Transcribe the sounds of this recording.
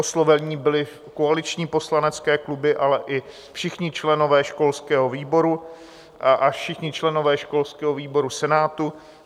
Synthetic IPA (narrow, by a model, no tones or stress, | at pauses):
oslovɛɲiːbɪlɪ | koalɪt͡ʃɲiːpo̞slanɛt͡skɛːklubɪʔalɛʔɪ | fʃɪxɲɪt͡ʃlɛno̞vɛːʃko̞lskɛːɦo̞viːbo̞ɾu | ʔafʃɪxɲɪt͡ʃlɛno̞vɛːʃko̞lskɛːɦoviːbo̞ɾusɛnaːt̪u